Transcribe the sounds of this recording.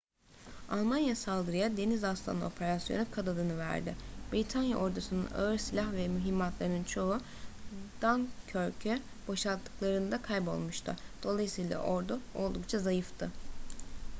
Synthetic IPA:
alˠmanjasalˠd̪ɯɾɯjad̪e̞nizast̪ʰa̰no̞pʰe̞ɾasjonukʰad̪ad̪ɯnɯvæ̰ɾd̪ɪ̰b̥ɾit̪ʰanja̰ʔo̞ɾd̪usɯnɯna̰ɯɾsilʲahvɛmyɦimːat̪lˠaɾɯnɯnt͡ʃʰo̞u | d̪̥ancʰøɾcʰø | b̥o̞ʃlˠat̪ʰːɯ̥klˠaɾɯnd̪akʰajbo̞̰lˠmuʃt̪ʰɯ̰d̪̥o̞lˠajɯsɯijlˠa̰ʔo̞ɾd̪uo̞̰lˠd̪ukt͡ʃʰazajɯft̪ʰɯ

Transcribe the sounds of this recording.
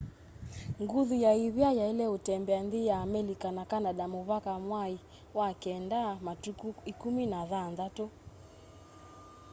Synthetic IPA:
ŋɡuðujaiβjajailɛutɛmbɛanðijaːmɛlikanakanaɗamuβakamwai | wakɛndamatuikuminaðanðatɔ

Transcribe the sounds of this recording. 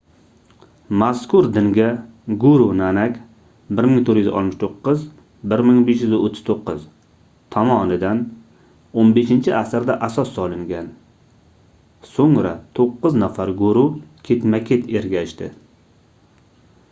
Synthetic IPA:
maskʊɾd̪ɪŋɡʲaɡʊɾunanakʲ | bɪɾmɪŋt̪ʰoɾjʏzɪ̰ɒ̰t̪mɪʃt̪ʰoqːɨz | bɪɾmɪŋbe̞ʃjʏzɪot̪ʰːɪ̥z̥t̪ʰoqːɨz | t̪ʰɒmɒnɪd̪an | onbeʃɪnt͡ʃʰɪʔasɪɾd̪aʔasɒsːɒlˠɪŋɡʲan | soŋɾa̰t̪ʰoqːɨznafaɾɡʊɾukʲʰe̞t̪makʲʰe̞t̪ʰe̞ɾɡʲaʃt̪ɪ

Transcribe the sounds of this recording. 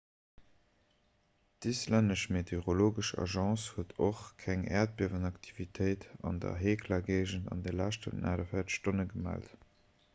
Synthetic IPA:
d̥islænəʃmetʰeʁoloːɡəʃɑ̰ʒɑ̃ːshuətʰoχkʰæŋɛːɐt̚b̥iɐvənɑktʰi̥vitʰəɪtɑ̰ndɐ̰ɦeːkʰlɐɡeɪʒəndɑ̰ndelæʃtʰə̰nnʔaːɾəfeːɐtʃtonəɡəmæ̰ːlt

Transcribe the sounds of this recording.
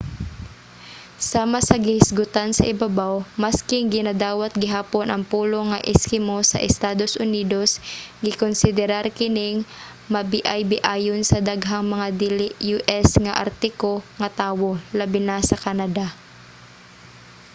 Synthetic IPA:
saːmasɐɡɪhɪsɡʊt̪ansɐʔɪbɐbawmɐskɪŋɡɪnad̪aːwɐt̪̚ɡɪɦaːponʔɐŋpuːlo̞ŋɐʔɪskɪmosɐ̰ʔɛst̪aːd̪o̞sʔʊniːd̪o̞sɡɪkonsɪd̪ɛɾaɾkɪnɪŋ | mɐbɪʔajbɪʔaːjonsɐd̪aɡɦaŋmɐŋad̪ilɪjuʔɛsŋɐʔɐ̰ɾt̪ɪkoŋɐt̪aːwolabɪnasɐkanɐd̪a

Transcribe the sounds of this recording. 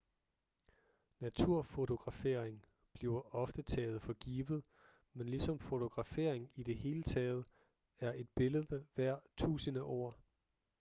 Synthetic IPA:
næt͡sʰuɐ̰fo̝t͡sʰo̝ɡ̥ʁɑ̈fe̝ɐ̰eŋ | b̥liʊɒ̽fd̥ət͡sʰɛːð̩ˠfɒ̽ɡ̥iːʋð̩ˠ | menlisɒ̽mfo̝t͡sʰo̝ɡ̥ʁɑ̈fe̝ɐ̰eŋid̥e̝ɦe̝ːlət͡sʰɛːð̞̩ˠə | æɐe̝d̥̚b̥e̝ləð̩ˠəʋæɐ̰t͡sʰṵːsənəʔo̰ː

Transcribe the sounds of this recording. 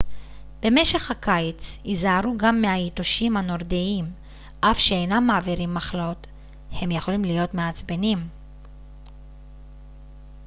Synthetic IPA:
b̥e̞me̞ʃe̞χhakajt͡sizaaɾuɡamːehaitoʃimhano̞ʁdeim | ʔafʃeejnamːaːviɾimːaχlo̞t | he̞mjeχo̞limlijo̞tmeat͡sbenim

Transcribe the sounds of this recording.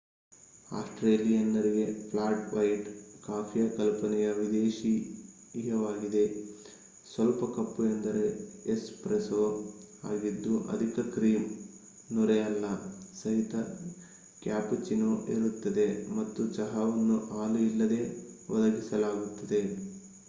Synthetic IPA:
a̰ːsʈɾeːlijɐnːɐɾiɡe̞pʰlaːʈʋɐjʈkaːpʰijɐkɐlpɐnɛjɐʋid̪eːʃi | jɐʋaːɡid̪e̞ | sʋɐlpɐkɐpːuend̪ɐɾe̞ːspɾesoːha̰ːɡid̪ːuʔɐ̰d̪ʱikɐkɾiːm | nuɾejɐlːɐsɐɦit̪ɐ | kjaːpt͡ʃinoʔeɾut̪ːɐd̪e̞mɐt̪ːut͡ʃɐɦɐʋɐnːuʔaːluilːɐd̪e̞ːʋɐd̪ɐɡisɐlaːɡut̪ːɐd̪e̞

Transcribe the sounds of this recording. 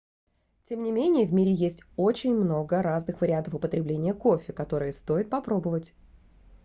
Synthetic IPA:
tʲe̞mnʲɪmʲenʲɪjəvʲmʲiɾʲɪjesʲtʲo̞t͡ɕɪnʲmno̞ɡəɾaznɨxvəɾʲɪant̪əfʊpət̪ɾʲɪblʲenʲɪjəko̞fʲɪkɐt̪o̞ɾɨjəst̪o̞jɪt̪̚pɐpɾo̞bəvətʲ

